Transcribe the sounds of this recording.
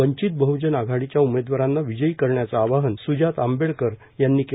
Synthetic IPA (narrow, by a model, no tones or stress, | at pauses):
əɲt͡ɕit̪̚bəɦud͡ʑənaɡʱaɽit͡ɕjaumed̪ʋaɾanːaʋid͡ʑəikəɾɳjat͡saːʋaɦənsud͡ʑat̪ambeɭkəɾ | janːiːke